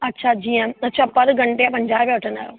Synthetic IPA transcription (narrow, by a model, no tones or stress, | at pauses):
ɐtːʃʰad͡ʑiːjə̃ɐtːt͡ɕʰapɐɾɡɐɳʈeapɐ̃ɲd͡ʑaːbeʋɐʈʰɐ̃na̰ːɾo̰ː